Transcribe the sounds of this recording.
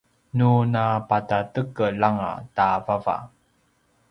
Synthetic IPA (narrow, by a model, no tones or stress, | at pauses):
nunapatatəkəlaŋa̰tavava̰